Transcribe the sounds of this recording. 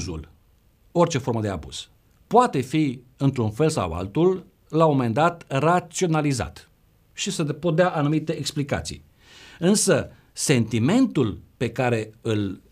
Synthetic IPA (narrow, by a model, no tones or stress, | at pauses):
zṵl | o̞rt͡ʃe̞fo̞rməd̪e̞a̰bṵz̥ | poat̪e̞fi | ɨnt̪ɾunfe̞lsa̰wa̰lt̪ul | lamomend̪at̪rat̪sio̞naliza̰t̪ | ʃisepod̪eaʔanumit̪e̞ʔeksplika̰t̪sḭj | ɨnsə | se̞nt̪ime̞nt̪ulpe̞kaɾe̞ɨl